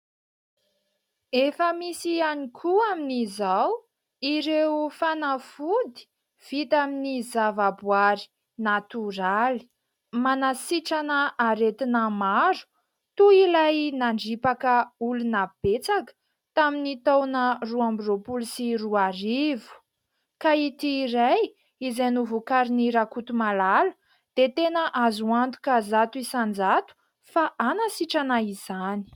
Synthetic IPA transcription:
efəmisianikʰuaminizaw | iɾefanafud̪i̥ | v̥it̪aminizavabwaɾi̥ | nat̪uɾali̥ | manasiʈ͡ʂanəaɾet̪inəmaɾu̥ | t̪uilajnaɳɖ͡ʐipakəulunab̥et͡sakə̥ | t̪aminit̪awnəruambiropulusiruaɾivu̥ | kait̪iɾaj | izanuvukaɾiniɾakut̪umalalə̥ | d̪̥et̪enəʔazuant̪u̥kazat̪uisand͡zat̪u̥ | faʔanasiʈ͡ʂanaiz̥ani̥

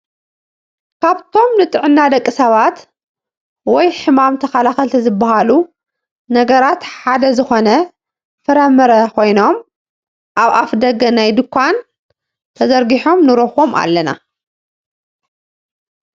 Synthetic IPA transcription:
kʰaβt̪ʰo̞mnɨt̪ʼɨʕɨnːad̪ɐkʼːisɐβat̪ | wɔjħɨmamt̪ʰɐkalaxɐlt̪ʰizɨbːaɦalu | nɐɡɐɾat̪ħad̪ɐzɨxo̞nɐ | fɨɾɐmɐɾɐkʰo̞jno̞m | ʔaβafd̪ɐɡɐnajd̪ɨkʰʷːan | t̪ʰɐzɐɾɡiħo̞mnɨɾoxo̞mʔa̰lːɐna̰

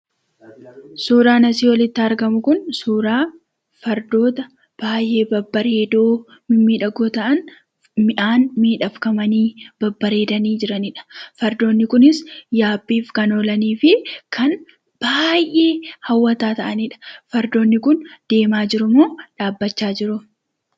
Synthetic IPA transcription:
suːɾaːnɐsiːwɐlɪt̪ːɪɐɾɡɐmʊkʊnsuːɾaː | fɐɾd̪o̞ːt̪ɐ | b̥aːjʔe̞ːbɐbːɐɾeeːd̪oː | mɪmiːᶑɐɡoːt̪ɐʔɐn | mɪʔaːnmiːᶑɐfkɐmɐniːb̥ɐbːɐɾe̞ːd̪ɐniːd͡ʒɪɾɐnɪᶑɐ̥fɐɾd̪o̞ːnːɪkʊnɪsjaːbːiːfkɐnoːlɐniːfɪkʰɐn | b̥aːjʔːe̞ːhɐwːɐt̪aːt̪ɐʔɐniːᶑɐ̥fɐɾd̪o̞ːnːɪkʊnd̪̥e̞ːmaːd͡ʒɪɾʊmoːᶑaːbːɐt͡ʃːaːd͡ʒɪɾʊ

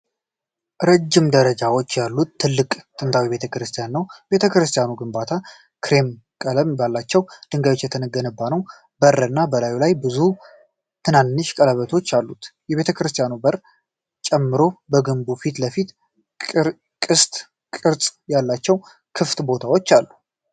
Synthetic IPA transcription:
ɾəd͡ʒːɪmd̪əɾəd͡ʒawo̞t͡ʃːjalːut̪ʰːɨlːɨkʼt̪ʼɨnt̪ʰawiβe̞t̪ʰəkɾɨst̪ʰijanːəwbe̞t̪ʰəkɾɨst̪ʰijanuɡɨmbat̪ʰa | kʰɾe̞m | kʼələmbalːat͡ʃːɛwd̪̥ɨŋɡao̞t͡ʃːjɛt̪ʰənəɡːənɨbːanəw | bərɨnːabəlajulajbɨzu | t̪ʰɨnanːɨʃkʼələβət̪ʰo̞t͡ʃːalːut̪jɛβet̪ʰəkɾɨst̪ʰijanubər | t͡ʃʼɛmːɨɾo̞bəɡɨmbufit̪ləfit̪ | kʼɨst̪ʼ | kʼɨɾt͡sʼjalːat͡ʃːɛw | kʰɨft̪bo̞t̪ʰawo̞t͡ʃːalːu

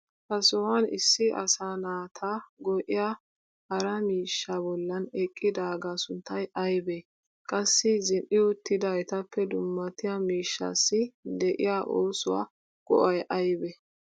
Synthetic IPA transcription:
hɐsɔwɐnɪ̰sːɪɐ̰saːnaːt̪ʰaɡɔʔɪja | hɐɾɐmiːʃːabɔlːɐnɛkʼːɪd̪aːɡasʊnt̪ːɐjʔɐjbɛ | kʼɐsːɪzɪnʔɪʊt̪ːɪd̪ɐɛt̪ɐpʰːɛd̪ʊmːɐt̪ɪjamiːʃːa̰sːɪd̪ɛʔɪ̰jaʔoːsʊwa̰ | ɡ̥ɔ̰ʔɐjʔɐjbɛ

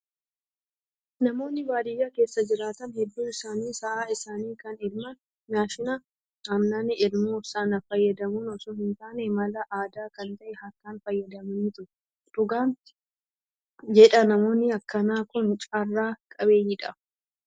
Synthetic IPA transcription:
nɐmo̞ːnːɪbaːd̪ɪjːaːke̞ːsːɐd͡ʒɪɾaːt̪ɐnhɛd̪ːuːɪsaːniːsɐʔaːɪsaːniːkɐnɪlmɐ | jaːʃɪnɐ | amnanɪɪlmuːsɐnɐfɐjːɐd̪ɐmʊnɔsʊːhɪnt̪aːnemɐlɐʔaːd̪aːkɐnt̪ɐʔɛhɐkːaːnfɐjːɐd̪ɐmɐniːt̪ʊɾ | d̪̥ʊɡaːn | d͡ʒɛᶑɐnɐmo̞ːnːɪɐkːɐnaːkʊnt͡ʃʼarːaːkʼɐbe̞ːɲːɪᶑɐ

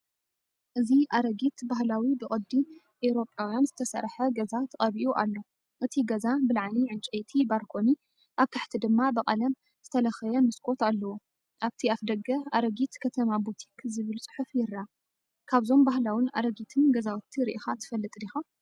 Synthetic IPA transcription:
ʔɨziʔaɾɐɡit̪bahlawibɨχʼɐd̪ːi | ʔeɾo̞pʼawjanzɨt̪ʰɐsɐ̰ɾħɐɡɐzat̪ʰɐχʼɐβiʔuʔalːo̞ | ʔɨt̪ʰiɡɐzabɨlʕaniʕɨnt͡ʃʼɐjt̪ʰibaɾkʰo̞ni | ʔaβk̪ʰaħt̪ʰid̪ɨmːabɐqʼɐlɐm | z̥ɨt̪ʰɐlɐxɐjɐmɨskʰʼo̞t̪alːɐwo | ʔaβt̪ʰiafd̪ɐɡɐaɾɐɡit̪kʰɐt̪ʰɐmabut̪ʰikʰzɨβɨlsʼɨ̥ħufjɪɾːa | kʰaβzo̞mbahlawɪna̰ɾɐɡit̪ʰɨnɡɐzawt̪ʰːiɾḭʔixat̪ʰɨ̥fɐlːɨt̪ʼlixu

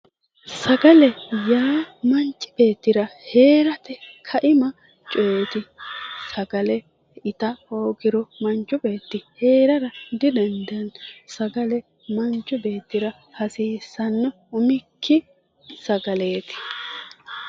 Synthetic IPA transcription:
sɐɡɐlɛjaːmɐnt͡ʃʼːɪ̥b̥e̞ːt̪ːɪɾɐhe̞ːɾɐt̪ɛkʰɐʔɪmɐ | t͡ʃʼoːt̪ɪsɐɡɐlɛ | ɪt̪ɐoːɡɪɾɔmɐnt͡ʃːʊbe̞ːt̪ːɪhe̞ːɾɐɾɐd̪ɪd̪ɛnd̪ɐnsɐɡɐlɛ | mɐnt͡ʃʼːʊbe̞ːt̪ːɪɾɐ | hɐsiːsɐnːɔ | ʊmɪkʰːɪ | sɐɡɐle̞ːt̪ɪ̥

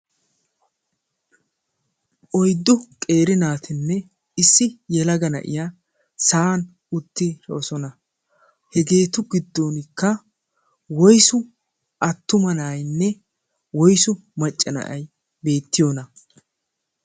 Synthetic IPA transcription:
ʔɔjd̪ːʊkʼe̞ːɾɪnaːt̪ʰɪnːɛ | ɪsːɪjɛlɐɡɐnɐ̰ʔɪ̰ja | saːn | ʊt̪ːɪɾːsɔnɐ | hɛɡe̞ːt̪ʊɡɪd̪ːoːnɪkːɐ | wɔjsʊ | ʔɐt̪ːʊmɐnaːjnːɛ | wɔjsʊ | mɐt͡ʃʼːɐnɐ̰ʔɐj | be̞ːt̪ːɪjoːnɐ

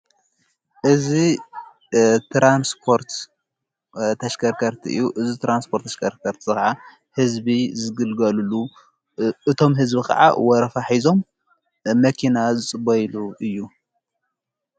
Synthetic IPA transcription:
ʔɨzi | t̪ʰɾanspʰo̞ɾt̪ | t̪ʰɐʃkʰɐɾkʰɐɾt̪ʰḭʔɨ̰jːuʔɨzit̪ɾanspʰo̞ɾt̪ʰːɐʃkʰɐɾkʰɐɾt̪ʰizɨkaʕa | hɨzbizɨɡɨlɡɐlulu | ʔɨt̪ʰo̞mɦɨzbikʰɐ̰ʕa̰wɔɾɐfaħizo̞m | mɐkʰinazɨt͡sʼɨbɐjluʔɨjːu

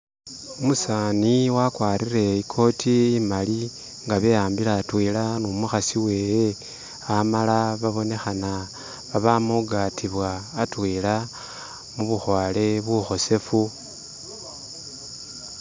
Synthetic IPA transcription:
umusaːniwakwaːɾiɾe̞ikʰo̞tʰiːmali | ŋɡaβe̞jaːmbilaːtwiːlanumuxasiwe̞ːje | amalaβaβo̞ne̞xana | βaβamuɡatʰiβwaːtwiːla | muβuxwaːle̞βwuxo̞se̞fu

